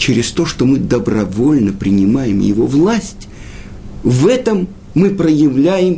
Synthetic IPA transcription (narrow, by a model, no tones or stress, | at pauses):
t͡ɕɪɾʲɪst̪o̞ʂt̪o̞mɨd̪əbrɐvo̞lʲnəpɾʲɪnʲɪmajɪmjɪ̰vo̞vlˠasʲtʲ | vɛt̪əmː | ɨpɾəjɪvlʲæjɪm